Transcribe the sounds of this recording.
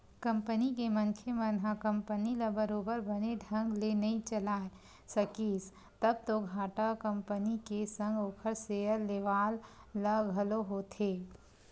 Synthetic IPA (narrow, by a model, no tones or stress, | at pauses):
kɐ̃mpənikemənkʰemənɦakɐ̃mpənilabəɾoːbəɾbəneɖʱɐ̃ŋɡlenɐɦĩt͡ʃəlaːe | sɐkiːs | t̪ɐb̚t̪oɡʱaːʈakə̃mpənikesɐ̃ŋɡoːkʰəɾseəlːeːʋaːlːaɡʱɐloɦot̪ʰeː